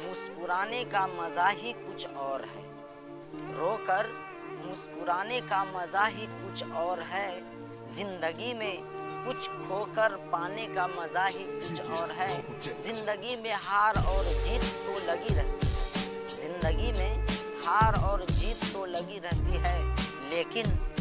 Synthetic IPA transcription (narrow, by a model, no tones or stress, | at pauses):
mʊskʊɾaːnekamɐzaɦikʊt͡ʃʰɔːɾɦɛ̰ː | ɾoːkəɾ | mʊskʊɾaːnekamɐzaɦikʊt͡ʃʰɔːɾɦɛː | zɪ̃nd̪əɡimẽ | kʊt͡ʃʰkʰoːkəɾpaːnekamɐzaɦikʊt͡ʃʰɔːɾɦɛ | zɪ̃nd̪əɡimẽɦaːɾɔːɾd͡ʒiːt̪kolɐɡiɾɛɦt̪iɦɛɦɛ | zɪ̃nd̪əɡimẽ | haːɾɔːɾd͡ʒiːt̪kolɐɡiɾɛɦt̪iɦɛ | leːkɪn